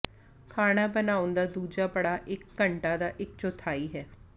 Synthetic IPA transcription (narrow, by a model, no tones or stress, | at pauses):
kʰaːɽ̃aːbənaːʊnd̪aːd̪uːd͡ʒaːpəɽaːʔɪkːəɳʈaːd̪aːʔɪk̚t͡ʃot̪ʰaːiːɦɛː